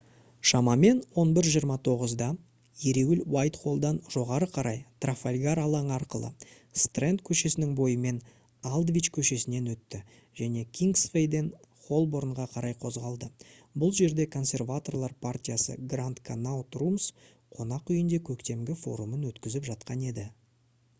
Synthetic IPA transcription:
ʃɑmɑme̞nwo̞nbɪɾʒijəɾmɑt̪ʰo̞ʁəzd̪ɑ | jeɾe̞wɪlwajt̪χo̞lˠd̪ɑnʒ̥o̞ʁɑɾəqʰɑɾɑjt̪rafalʲɡaɾɑlˠɑɴəɑɾqəlˠə̰ | st̪rent̪kʲʰɵʃe̞sɪnɪŋbo̞jəme̞n | alˠd̪vʲijt͡ʃkʲʰɵʃe̞sɪne̞nwɵt̪ːɪ | ʒ̥æne̞kʲʰiŋɡsfejd̪e̞nχo̞lˠbo̞ɾɴʁɑqʰɑɾɑjqʰo̞zʁɑlˠd̪ə | bʊlˠʒe̞ɾd̪e̞kʰo̞nsʲe̞rvat̪o̞rlˠɑɾpʰartʲijasə̰ɡrant̪kʰanawt̪rums | qʰo̞nɑqʏjɪnd̪e̞kʲʰɵkt̪e̞mɡʲɪfo̞̰ɾumənwɵt̪kʲɪzɪpʒɑt̪qɑne̞d̪ɪ

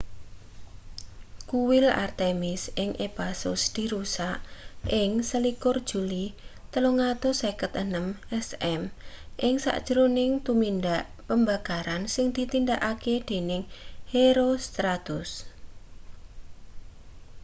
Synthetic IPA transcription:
kuwɪla̰rt̪emɪsʔɪŋʔepasʊ̰sd̪̥i̤ɾusaʔʔɪŋsəlikʊrd̥ʒ̥ṳlit̪əloŋat̪osekət̪ənəmʔɛsɛmʔɪŋsa̰ʔd̥ʒ̥əɾonɪŋt̪umind̪aʔ | pəmba̤kaɾansɪŋd̪̥i̤t̪indaʔaked̪̥e̤nɪŋheɾost̪ɾat̪ʊs

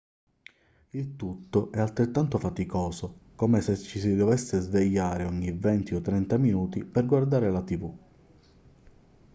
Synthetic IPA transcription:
ilt̪ut̪ːoʔɛalt̪ɾet̪ːant̪ofat̪ikɔːsokomeset͡ʃːisid̪ovɛsːezveʎːaːɾeɔɲːivɛnt̪iɔt̪ːɾɛnt̪aminuːt̪iperɡward̪aːɾelat̪ivu

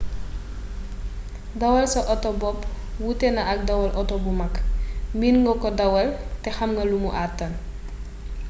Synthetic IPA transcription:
dɐwɐlsɔʔɔtɔbɔp | wutɛnɐʔɐk̚dɐwɐlʔɔtɔbumɐkminŋɡɔkɔdɐwɐltɛxɐmŋɡɐlumuʔatːɐn

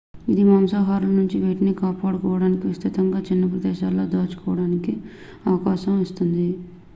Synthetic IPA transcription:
id̪imɐmsaːɦaːɾulɐnuɲt͡ʃiʋejʈɐniːkaːpaːɽukɔːʋɐɽaːnikiʋist̪it̪ɐŋɡaːt͡ʃinːɐpɾɐd̪ɛːʃaːlːo̞ːd̪aːt͡ʃu̥kɔːʋɐɽaːniki | ɐʋɐkaːʃɐmɔst̪und̪i

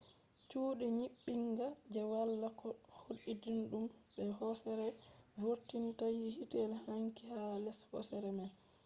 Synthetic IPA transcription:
t͡ʃuːɗiɲiɓːiŋɡad͡ʒɛwalːakɔhoɗidinɗumɓɛɦɔsɛɾɛvoɾtintajihitɛlhaŋkihalɛshɔ̰sɛɾɛmɛn

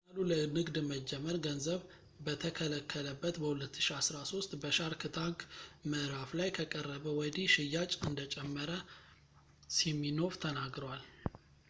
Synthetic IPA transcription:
alulənɨɡd̪məd͡ʒːɛməɾɡənzəβ | bət̪ʰəkʰələkʰːələbːət̪bəhulət̪ːɨ̥ʃiasɾaso̞st̪ʼbəʃaɾkʰɨt̪ʰaŋkməɾaflajkʰəkʼərːəβəwɔd̪iʃɪjːat͡ʃʼɨnd̪ət͡ʃʼɛmːəɾə | simːino̞ft̪ʰənaɡɾəwal

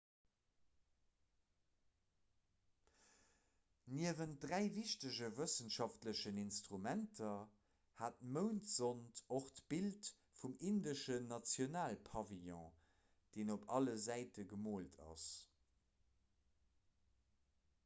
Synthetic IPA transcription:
niəvənt̚dʁæɪviʃtəʑəvəsənʃɑftləɕəninstʁumæntʰɐ | haːt̚məʊntz̥ontoχtb̥ilt | fumindəʃənɑt͡sjonaːlpʰɑvijɔ̃ | d̥eːnopʰɑləzæɪtəɡəmoːltʰɑ̰s

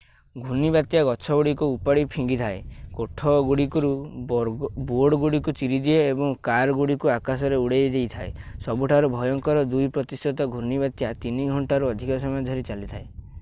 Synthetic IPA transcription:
ɡʱunibat̪jaɡɔt͡ʃʰɔɡuɽikuːpaɽipʰiŋɡit̪ʰaekoʈʰɔɡuɽikuɾu | boɽɔɡuɽikut͡ʃiɾid̪ieːbɔŋkaɾɡuɽikuakasɔɾeuɽejed͡ʒejt̪ʰaḛsɔbuʈʰaɾɔbʱɔjɔŋkɔɾɔd̪ujpɾɔt̪ist̪ɔt̪ɔɡʱunibat̪jat̪iniɡʱɔɳʈaɾuɔd̪ʱikɔsɔmɔjɔd̪ʱɔɾit͡ʃalit̪ʰae

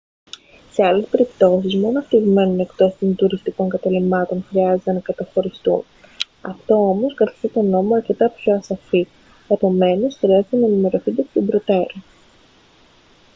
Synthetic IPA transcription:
se̞ɐle̞spe̞ɾipt̪o̞sizmo̞noɐft̪iɣme̞none̞kt̪o̞st̪ont̪uɾist̪iko̞ŋkɐt̪ɐlimɐt̪o̞nxɾiɐzet̪e̞nɐkɐt̪ɐxo̞ɾist̪ṵn | ɐ̰ft̪o̞o̞mo̞skɐti̥st̪et̪o̞no̞moɐɾce̞t̪ɐpço̞ɐsɐfi | kɐpo̞me̞no̞sxɾiɐzet̪enɐːnime̞ɾo̞θind̪ekt̪obɾo̞t̪e̞ɾo

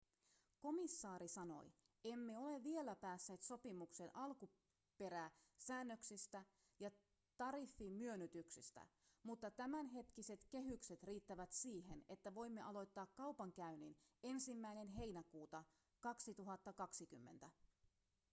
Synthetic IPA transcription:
ko̞misːɑːɾisɑno̞̰j | e̞mːe̞o̞le̞ʋʋːie̞læpæːsːe̞ːt̪so̞pimukse̞nʔɑlku | pe̞ɾæːsæːnːø̞ksist̪æ | jɑ | t̪ɑɾifːimmyønyt̪yksḭst̪æ̰mut̪ːɑt̪æmænɦe̞t̪k̟ise̞t̪ke̞ɦykse̞t̪riːt̪ːæʋæt̪siːɦe̞ne̞t̪ːæʋo̞jmːe̞ʔɑlo̞jt̪ːɑːkkːɑwpɑŋk̟æynine̞nsimːæjne̞nɦe̞jnækuːt̪ɑ | kɑksit̪uɦɑt̪ːɑkɑksikymːe̞nt̪æ

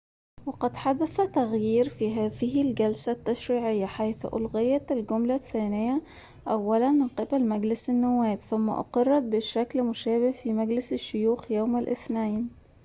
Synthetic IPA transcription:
wɑqɑd̪ħad̪aθat̪aɣjiːɾfiːɦaːðɪɦɪlɡalsat̪ːaʃɾiːʕɪjːaħajθʔʊ̰lɣɪjat̪alɡʊmlaθːaːnɪjːa | ʔawːalanmɪnqɪbalmaɡlɪsanːʊwːæːbθʊmːa̰ʔʊ̰qɑrˤːɑd̪̚bɪʃaklmʊʃæːbɪhfimaɡlɪsaʃːʊjuːxjaːmalʔɪ̰θnajn

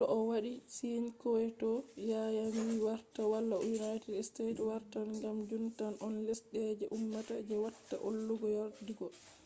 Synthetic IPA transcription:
ɔʔɔwaɗisinkɔɛtɔjajamiwaɾtawalːajunajtɛdstetwaɾtanŋɡamd͡ʒuntanɔnlesɗɛd͡ʒɛʔumːatad͡ʒɛwatːaʔolːuɡɔjaɾdiɡɔ

